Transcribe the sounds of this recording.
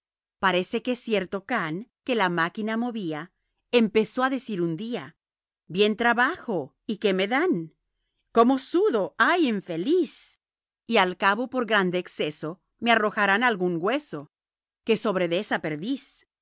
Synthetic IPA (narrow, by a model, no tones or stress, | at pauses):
paɾe̞se̞ke̞sje̞ɾt̪o̞kaŋke̞lamakinamo̞βia | empe̞so̞aðe̞siɾund̪ia | bje̞nt̪ɾaβaxo̞ | ike̞me̞ðan | ko̞mo̞suðo̞ajiɱfe̞lis | ialkaβo̞po̞ɾɣɾand̪eːkse̞so̞ | me̞aro̞xaɾanalɣuŋɡwe̞so̞ | ke̞so̞βɾe̞ðe̞sape̞ɾðis